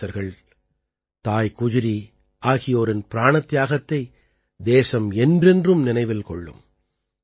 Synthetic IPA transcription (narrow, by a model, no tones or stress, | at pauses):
ɐɾɣɐɭ | t̪aːjkʊðʊɾi | ʔaːɣɪjoːɾɪnpɪɾaːɳɐt̪ːjaːɣɐt̪ːɐɪ | d̪eːsɐmɛndrɛndrɯmnɪnɐɪʋɪlkɔɭːɯ̰m